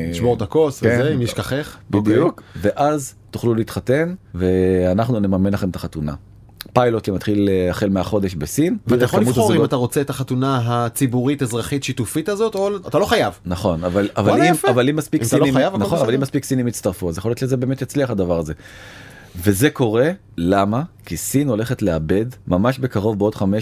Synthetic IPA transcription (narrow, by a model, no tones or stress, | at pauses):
iʃboʁt̪ako̞svzeimjeʃkaχeχbid̪ijukveʔaz | t̪uχluliːt̪χat̪e̞nve̞anaχnune̞mamenlaχe̞met̪aχat̪una̰ | pajlot̪lemat̪χileaχelmeaχo̞d̪e̞ʃbesinvaʁajaxolimutoimat̪aʁo̞t͡seetaχat̪unaɦat͡sibuʁitezʁaχitʃitufitazo̞t̪olat̪alo̞χajavnaχo̞navalavalimavalimːaspikksailimjavnaonavalimːaspiksinimjitt͡st̪aʁfuazjaχojot̪ʃezebe̞ːmet̪jat͡sliaχad̪avaʁaze̞ | ve̞ze̞ko̞ʁe̞ | lamakisino̞le̞χetleabe̞dmamaʃbe̞kaʁo̞vbeod̪χame